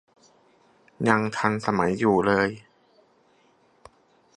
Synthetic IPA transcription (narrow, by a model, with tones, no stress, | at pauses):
ɲa˧ŋt̪ʰa˧nsa˧ma˩˦jːuː˨˩lɤː˧j